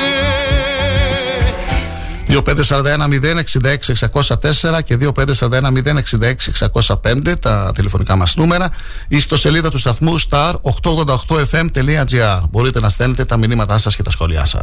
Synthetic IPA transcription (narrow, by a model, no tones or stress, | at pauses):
ðiope̞nd̪e̞sɐɾɐnd̪ɐe̞nɐmiðe̞ne̞ksind̪ɐe̞ksie̞ksɐko̞sɐt̪e̞seɾɐce̞ðio̞pe̞nd̪esɐɾɐnd̪ɐenɐmiðe̞neksind̪ɐe̞ksie̞ksɐko̞sɐpe̞nd̪e̞t̪ɐt̪ile̞fo̞nikɐmɐsnume̞ɾɐ | ist̪o̞se̞liðɐt̪ust̪ɐθmust̪ɐɾo̞xt̪o̞ɣðo̞nd̪ɐoxt̪o̞e̞fe̞mt̪e̞liɐd͡ziɐɾbo̞ɾit̪e̞nɐst̪e̞ne̞t̪e̞t̪ɐminimɐt̪ɐsɐsce̞t̪ɐsxo̞liɐ̰sɐ̰